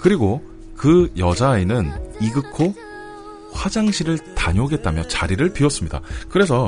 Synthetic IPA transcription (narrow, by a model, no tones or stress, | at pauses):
kɯɾiɡo | kɯjʌd͡ʑaenɯniɡɯkʰo | ɸwad͡ʑaŋɕʰiɾɯɭtaɲoɡe̞t̚t͈amjʌt͡ɕaɾiɾɯɭpiʌs͈ɯmɲida̰kɯɾe̞sʰʌ